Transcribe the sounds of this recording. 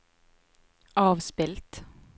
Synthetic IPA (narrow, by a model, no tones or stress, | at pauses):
ʔɑːʋspɪlt̪